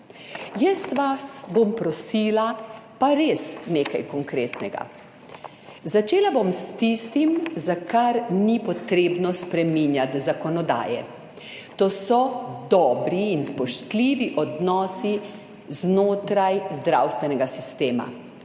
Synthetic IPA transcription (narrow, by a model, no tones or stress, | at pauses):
jɛsʋasbompɾɔsiːlapaɾeːsneːkajkɔŋkɾeːt̪nɛɡa̰ | zat͡ʃeːlabomst̪ist̪imzakaɾnipɔt̪ɾeːbnɔspɾɛmiːnjat̪zakɔnɔd̪a̰ːjɛ̰ | t̪oːsɔd̪ɔːbɾiːnspɔʃt̪liːʋiʔɔd̪nɔːsi | znoːt̪ɾajzd̪ɾa̰wst̪ʋɛnɛɡasist̪eːma̰